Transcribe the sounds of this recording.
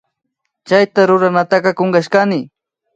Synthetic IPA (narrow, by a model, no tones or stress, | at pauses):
t͡ʃajt̪aɾʊɾanat̪aqɑkoɴɢɑʃkanɪ